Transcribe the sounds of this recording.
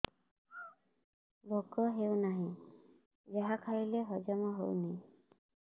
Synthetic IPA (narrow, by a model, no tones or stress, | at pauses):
bʱoɡɔɦewnaɦĩ | zaɦakʰaɹileɦɔd͡ʒɔmɔɦowni